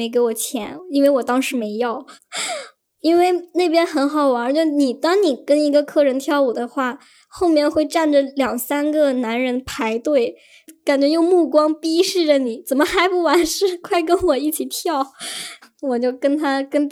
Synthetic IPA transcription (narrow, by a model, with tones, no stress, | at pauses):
e˧˥ɪk̬e˧˥ɪwɔ˨˩t͡ɕʰjɛ˧˥ni˥nwe˥˩ɪwɔ˨˩t̪ɑ˥ŋʂɻ̩˧˥me˧˥ɪjɑ˥˩ʊ | i˥nwe˥˧ɪna˥˩ɪpjɛ˥nxə˧˥nxɑ˨˩ʊwt͡ɕɥo˥˧ni˨˩t̪ɑ˥ŋni˨˩kə˥ni˧˥ɡə˧kʰɤ˥˩ɻə˧˥nt̪ʰjɑ˥˩ʊwɔ˨˩d̪ə˦xwa˥˩ | xo˥˧ʊmjɛ˥˧nxwe˥˧ɪʈ͡ʂa˥˩nʈ͡ʂə˩ljɑ˨˩ŋsa˥nɡə˨na˧˥nɻə˧˥npʰa˧˥ɪt̪we˥˩ɪ | ka˨˩nt͡ɕɥɛ˧˥jo˥˧ʊmu˥˩kwɑ˥ŋpi˥ʂɻ̩˥˩ʈ͡ʂə˩ni˨˩t͡sə˨˩nmə˦xa˧˥ɪpu˥˩wa˧˥nʂɻ̩˥˧kʰwa˥˩ɪkə˥nwɔ˨˩i˥˩t͡ɕʰi˨˩t̪ʰjɑ˥˩ʊ | wɔ˨˩t͡ɕjo˥˩ʊkə˥nt̪ʰa˥kə˥n